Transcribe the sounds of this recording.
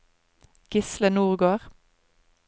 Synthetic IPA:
ɡ̥ɪslənuːʁɡoːʁ

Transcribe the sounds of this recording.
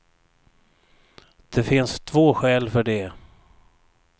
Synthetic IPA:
d̪̥ɛfɪnst̪ʰvoːɧɛːlfœɖɛ

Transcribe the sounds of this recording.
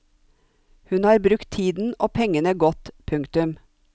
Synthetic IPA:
hʉnhɑːɾbɾʉkt̪ʰiːd̪n̩oːpʰɛŋənəɡɔt̪pʰʉŋkt̪ʉm

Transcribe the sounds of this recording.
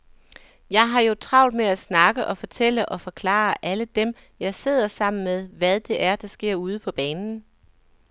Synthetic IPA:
jɑ̈ɪɦɑ̈jo̝t͡sʰʁɑ̈ʊ̰d̥meæsnɑ̈ɡ̥əʔɒ̽fɒ̽t͡sʰel̰əʔɒ̽fɒ̽kʰlɑ̰̈ːʔæləd̥em | jɑ̈ɪse̝ð̞̰ˠɐsɑ̈m̰n̩meðˠʋæð̞ˠd̥e̝ʔæɐd̥ɑ̈sɡ̥e̝ɐ̰uːð̞ˠəpʰɒ̽b̥ɛːnn̩

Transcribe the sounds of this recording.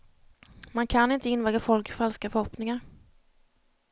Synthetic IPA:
mankʰanɪnt̪əɪnvɛːɡafɔlkɪfalskafœɾhɔpnɪŋaɾ

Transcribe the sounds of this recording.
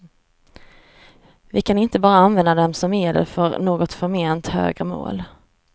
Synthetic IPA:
vɪkʰanɪnt̪əbɑːɾaanvɛnd̪ad̪ɛmsɔmeːɖɛ̰ɾfœɾnoːɡɔt̪fœɾmeːnt̪hø̰ːɡɾəmo̰ːl

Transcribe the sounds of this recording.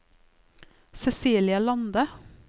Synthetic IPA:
sɛsiːlɪɑlɑnd̪ə

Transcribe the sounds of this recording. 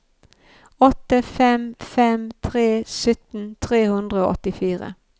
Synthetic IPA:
ɔt̪əfɛmfɛmt̪ʰʁeːsʏt̪n̩t̪ʰʁeːhʉnd̪ʁəoːʔɔ̰t̪ɪfiːʁə̰

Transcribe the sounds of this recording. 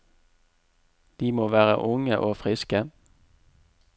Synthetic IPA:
d̪̥iːmoːʋæːʁə̰ʔʊŋəʔoːfʁɪskə

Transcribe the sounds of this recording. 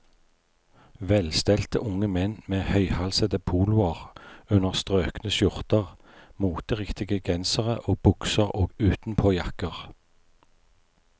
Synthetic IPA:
ʋɛlst̪ɛlt̪ə̰ʔʊŋəmɛnmeːhœʏhɑlsəd̪əpʰuːlʊəʁʉnəʁst̪ʁøːknəʃʊʁt̪əʁ | muːt̪əʁɪkt̪ɪɡəɡɛnsəʁəʔoːbʊksəʁoːɡʉːt̪n̩pʰoːjɑkəʁ

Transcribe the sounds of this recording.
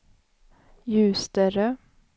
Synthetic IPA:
jʉ̟ːst̪əɾə

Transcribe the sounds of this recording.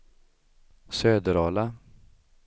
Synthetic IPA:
søːd̪əɾɑːla

